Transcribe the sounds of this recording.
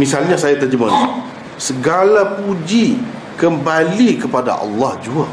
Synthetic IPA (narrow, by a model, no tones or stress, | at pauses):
misalɲasajat̪ad͡ʒəman | səɡalapud͡ʒi | kəmbalikəpada̰ʔɑ̰lːɑhd͡ʒua